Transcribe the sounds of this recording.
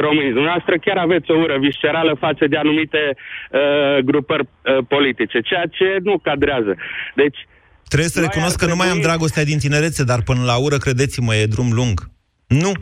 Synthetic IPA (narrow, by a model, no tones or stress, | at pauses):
ro̞mɨnid̪umneɛast̪ɾəkʲaɾave̞t̪sʲo̞uɾəviʃt͡ʃe̞ɾaləfat̪səd̪e̞anumit̪e̞əɡɾupərʲpo̞lit̪it͡ʃe̞t͡ʃe̞jat͡ʃe̞nukad̪ɾeazəd̪e̞t͡ʃʲ | t̪ɾebjesəɾe̞kuno̞skːənumajamd̪ɾaɡo̞s̬t̪ead̪int̪ine̞ɾe̞t̪sed̪arpɨnəlauɾəkɾe̞d̪e̞t̪siməje̞d̪ɾumluŋɡ | nu